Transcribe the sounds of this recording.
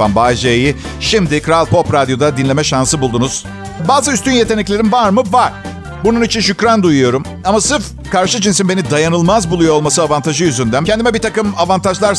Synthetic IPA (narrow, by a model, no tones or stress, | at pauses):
a̰nbaːd͡ʒeji | ʃimd̪ɪkʰɾalʲˠpʰo̞pɾad̪jo̞d̪ad̪inlʲe̞mɛʃansɯbulˠd̪unuz̥ | baːzɯyst̪ʰynje̞t̪ʰe̞nɛclʲe̞ɾinvaɾmɯvaɾ̥ | bununit͡ʃʰinʃycɾand̪ujujo̞ɾum | amasɯɾf | kʰaɾʃɯd͡ʒinsinbe̞nid̪ajanɯlˠmazbulˠujoolˠmasɯavant̪ʰaʒɯjyzynd̪æncʰɛnd̪imɛbit̪ʰakɯmavant̪ʰaʒlˠaɾ